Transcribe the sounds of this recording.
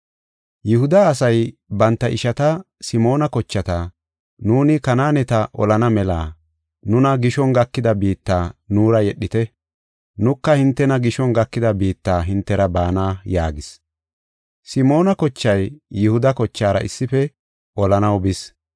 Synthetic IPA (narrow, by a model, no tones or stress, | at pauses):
jɪhʊd̪ɐːsɐjbɐnt̪ːɐʔɪʃɐt̪ɐ | sɪmo̞ːnɐkɔt͡ʃːɐt̪a | nuːnɪkɐnaːnɛt̪ɐʔɔ̰lɐnɐmɛlaː | nʊnɐɡɪʃɔŋɡɐkːɪd̪ɐbiːt̪ːaːnuːɾɐjɛɗːɪt̪ɛ | nʊkːɐhɪnt̪ːɛnɐɡɪʃɔnɡɐkːɪd̪ɐbiːt̪ːaːɦɪnt̪ːɛɾɐbaːnaːjaːɡɪs | sɪmo̞ːnɐkɔt͡ʃːɐjːʊhʊd̪ɐkɔt͡ʃːaːɾɐ̰ʔɪ̰sːɪfɛ | ʔɔlɐnɐwbɪs